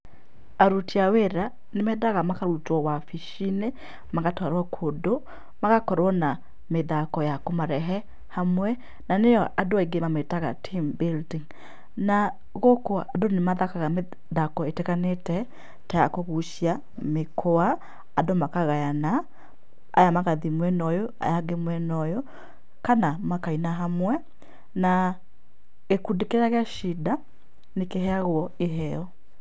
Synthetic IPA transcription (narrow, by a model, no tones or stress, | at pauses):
aɾutiaweɾa | nemɛðaɣamakaɾutwɔwafiʃine | maɣatwaɾwakʰodo | maɣakɔɾwɔna | meðakɔjakomaɾɛɦɛ | hamwɛ | nanejɔʔadoaiɡemametaɣa̰tʰimbildiŋ | na | ɣokoadonemaðakaɣame | ðakɔeteɣanetɛ | tajakoɣuʃia | mekʰoaː | domakaɣajana̰ː | jamaɣaðimwɛnɔjɔa̰jaɡemwɛnɔjɔ | kanamakainaɦamwɛ | na | ɣekudekeɾaɣeaʃida | nekehɛaɣwɔeɦɛɔ